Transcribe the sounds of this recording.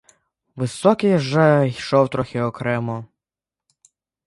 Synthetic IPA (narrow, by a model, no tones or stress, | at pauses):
ʋɪsɔkʲɪjʒɛjʃɔwt̪ɾɔxʲɪɔkɾɛmɔ